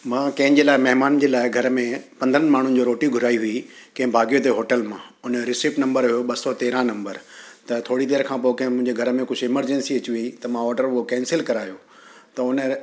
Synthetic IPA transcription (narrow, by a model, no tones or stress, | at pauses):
mãːkɐ̃ɦɪ̃d͡ʑeːlaːɪmɐɦɪmaːnd͡ʑeːlaːɪɡʱɐɾmẽpɐ̃nd̪ʱəɾənmaːɳ̤ʊnɪ̆d͡ʑoːɾoːʈiɡʱʊɾaːiɦʊikɐ̃ɦɪ̃bʱaːɡijot̪̬eɦoːʈəlmãʊnɾɪsiːpnɐ̃mbəɾɦʊjoɓɐsɔt̪eːɾãnɐ̃mbəɾt̪ɐt̪ʰoːɽid̪eːɾkʰãːp̬oːokɐ̃ɦɪ̃mʊ̃ɦɪ̃ɲd͡ʑeɡʱɐɾmẽkʊd͡ʑʱɪməɾd͡ʑɛ̃nsiɐt͡ɕiʋĩĩt̪ɐmãɔːʈəɾʊɦokɛ̃ːnsɪlkɐɾaːjoː | t̪ɐʊn